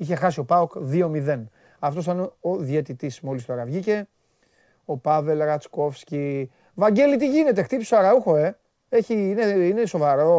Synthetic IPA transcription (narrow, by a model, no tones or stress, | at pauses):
içe̞xɐsio̞pɐokðio̞miðe̞n | ɐft̪o̞st̪ɐnoðjet̪it̪ismo̞list̪oɾɐvʝice̞ | o̞pɐve̞lɾɐt͡sko̞fsci | vɐɲɟe̞lit̪iʝine̞t̪e̞xt̪ipisoɐɾɐuxo̞e̞ | eçiineineso̞vɐɾo̞